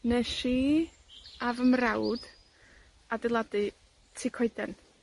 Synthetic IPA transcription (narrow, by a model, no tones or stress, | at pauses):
nɛʃi | avəmrawd̥ | adɪlˠadɨ | tʰikʰoɨdɛn